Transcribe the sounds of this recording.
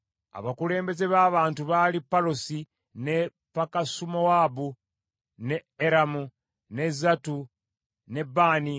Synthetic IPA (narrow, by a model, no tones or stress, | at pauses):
a̰βakule̞ːmbe̞ze̞βaːβaːntuβalipːaɾosi | ne | pakasumowabu | neːɾamu | ne̞zatu | ne̞baːni